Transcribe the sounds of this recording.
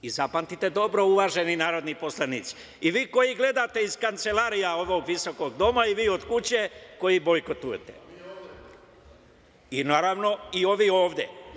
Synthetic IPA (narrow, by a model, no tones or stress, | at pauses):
izapant̪it̪ed̪o̞bɾo̞uʋaːʒeninaːɾo̞d̪niposlˠanit̪si̥ | iʋiːko̞jiɡle̞d̪at̪e̞iz̥kant̪se̞laːɾijaoʋoɡʋiso̞ko̞ɡd̪o̞maiʋiːo̞d̪kut͡ɕeko̞jibo̞jkot̪ujet̪e̥̰ | inaːɾaʋno̞io̞ʋio̞ːʋd̪jḛ